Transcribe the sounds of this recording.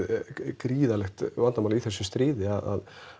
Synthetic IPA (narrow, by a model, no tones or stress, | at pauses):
kɾiːðalɛxt̪vant̪amaliθɛsːʏst̪ɾɪːðɪaða̰ð